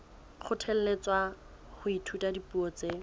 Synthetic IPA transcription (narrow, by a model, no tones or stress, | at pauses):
χʊtʰɛl̩let͡swa | χʊitʰutadipuɔt͡se